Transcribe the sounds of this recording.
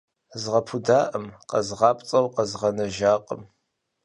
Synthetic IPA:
zʁɐpʰudaːʔəmqɐzʁɑːpʼt͡sʼɐwqɐzʁɐnɐʒaːqʼəm

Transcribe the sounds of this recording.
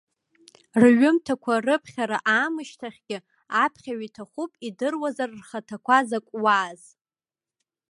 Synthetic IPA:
rɥʊmtʰakʷʰarɨpʰχʲaɾaʔaːmɨʃtʰaχʲɡʲɪ | apʰχʲaɥitʰaχʷupʼidɨrwazarrχatʰakʷʰazakʷʼwaːz̥

